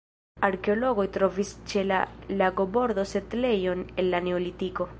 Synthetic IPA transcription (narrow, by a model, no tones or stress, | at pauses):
aɾke̞olo̞ɡo̞jt̪ɾo̞vist͡ʃe̞la̰laɡo̞bo̞ɾd̪o̞set̪le̞jo̞ne̞nlane̞olitiko̞